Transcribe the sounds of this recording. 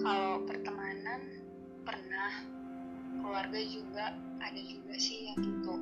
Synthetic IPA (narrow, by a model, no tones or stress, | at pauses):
kalawpərt̪əŋanan | pərnah | kəluarɡad͡ʒuɡaː | dad͡ʒuɡasɪhjaŋɡit̪u